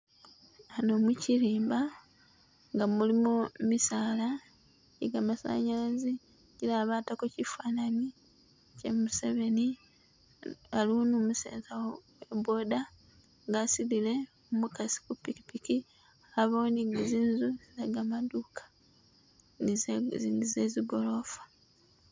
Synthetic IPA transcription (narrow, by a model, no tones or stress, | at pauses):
ano̞muciɾiːmba | ŋɡamulimumisaːla | iɡamasa̰ɲaazi | ɟiɾaːβaːtakocifaːnani | cemuse̞βe̞ni | aluunumusḛːzawowwe̞bo̞ːda | ŋɡasilile̞ | omukasi̥kupiki̥piki | aβoːniɡiziːnzuzizeɡamaduːkḁ | nizeziɡo̞lo̞fḁ